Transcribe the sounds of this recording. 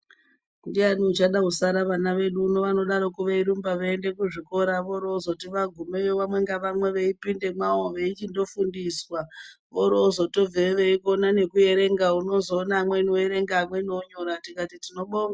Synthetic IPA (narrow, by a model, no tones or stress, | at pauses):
ndianiut͡ʃaɗausaɾaʋanaʋe̞ɗuːno̞ʋano̞ɗaɾo̞kuʋeiɾumbaʋeende̞kuʐiko̞ɾaʋo̞ɾoːzo̞tiʋaɡʱumejoʋamwe̞ŋɡaʋamwe̞ʋeipinde̞mwaoʋeit͡ʃindo̞fundiswa | ʋo̞ɾoːzo̞to̞vʱeʋeikonane̞kuje̞ɾe̞ŋɡauno̞zo̞ːnaːmwe̞inoeɾe̞ŋɡaːmwe̞noɲo̞ɾatikatitino̞ɓoma